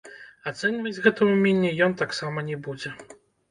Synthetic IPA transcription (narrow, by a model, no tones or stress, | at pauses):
at̪sɛnʲivɐd͡zʲɣɛt̪ɐmumʲenʲːɛjɔnt̪aksamɐnʲɛbud͡zʲɛ